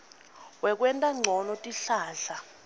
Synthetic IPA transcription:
wɛk̬ʼwɛntʼaŋ͡ǀʱɔnɔtʼiɬaːɮa

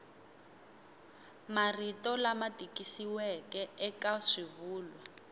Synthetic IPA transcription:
maritɔlamatʼikisiwɛkɛɛkaʂiβuːlɔ

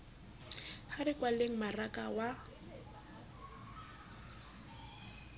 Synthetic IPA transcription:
harɪkwaleŋ̩marakʼawa

